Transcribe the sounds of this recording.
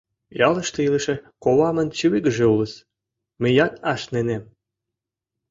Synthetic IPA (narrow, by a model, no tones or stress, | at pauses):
jɑləʃt̪eiləʃĕkoβɑmə̆nt͡ɕiwiɡə̆ʒeuləs | məjɑt̪ɑʃnenem